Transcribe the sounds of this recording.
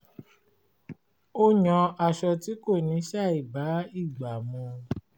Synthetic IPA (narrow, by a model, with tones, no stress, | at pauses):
o˦ɲɔ̃˧˦a˨ʃɔ˧ti˨˦ko˦˨nĩ˨˦ʃa˦˨i˨ba˨˦i˦˨ɡ͡ba˨mũ˧